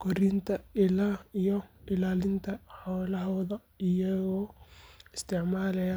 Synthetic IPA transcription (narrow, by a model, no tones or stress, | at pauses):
kʰɔɾɪnt̪ʰɐɪlaijɔʔɪlaːlɪnt̪ʰɐħɔːlɐɦɔðɐ | ɪjɐɣɔːɪst̪ʰɪʕmaːlɛjɐ